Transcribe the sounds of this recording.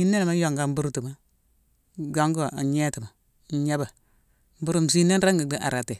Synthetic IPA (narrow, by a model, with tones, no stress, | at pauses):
i˦nːe˦n˨ma˦jo˨ŋɡa˨m̩˦bu˦ɾu˦tu˨ma˦ | ɡa˦ŋɡo˦˨a˨ɲɛ˦tu˨ma˨˦ | a˦ba˨ | m̩˦bu˦ɾu˦m̩˨s̬i˦ne˦n˦ɾa˦ŋɡa˨ɡa˦ʔa˨ɾa˨te˨